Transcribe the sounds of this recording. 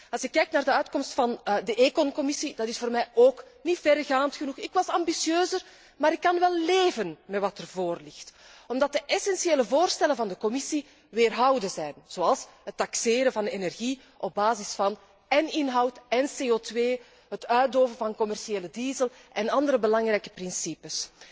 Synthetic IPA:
ɑlˠsɪkːɛjk̚naːrdəœɥtkɔmstfɑndəʔeːkɔnkɔmɪsid̥ɑtɪsfoːrmɛjoːknitfɛrɣaːntxənuxɪkwɑsɑmbisjøːzər | maːɾɪkːɑnʋɛlˠleːvənmɛtʋɑtərvoːrlɪxt | ɔmdɑt̚dəʔɛsɛnsieːləvoːrstɛlənvɑndəkɔmɪsi | ʋeːrɦɑwdəzɛjnz̥oːɑlˠsɦətːɑkseːɾənvɑnenɛrɣi | ʔɔb̚baːzɪsfɑn | ɛnɪnɦɑwtɛnseːoːtweː | ɦətœːt̚doːvənvɑnkɔmɛrsieːlədiːzəlˠ | ʔɛnɑndəɾəbəlɑŋrɛjkə̥prɪnsipəs

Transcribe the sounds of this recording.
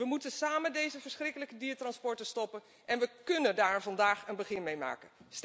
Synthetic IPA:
ʋəmutənsaːməndejzəvəɹsχrɪkələkədiːətrɑnspɔɹtəstɔpən | ʔɛnʋəkɵnəndaːɹvɑndaːχənbəχɪnmejma̰ːkəns

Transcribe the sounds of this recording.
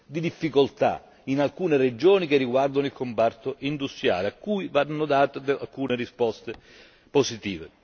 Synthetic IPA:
d̪id̪ifːikolt̪a̰ | inalkuːnered͡ʒoːnik̟erːiɡward̪onoilkombart̪oʔind̪ust̪ɾja̰ːleakːuːjvanːʊd̪aːt̪d̪a̰lkuːnerispɔst̪e | posit̪iːvḛ

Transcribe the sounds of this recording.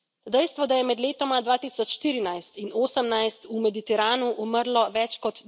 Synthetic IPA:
d̪ɛjst̪ʋɔd̪ajɛmɛd̪leːt̪ɔmad̪ʋaːt̪iːsɔt͡ʃʃt̪iːɾinajst̪inoːsəmnajst̪umɛd̪it̪ɛɾaːnuʔuməɾlɔʋɛt͡ʃkɔt̪

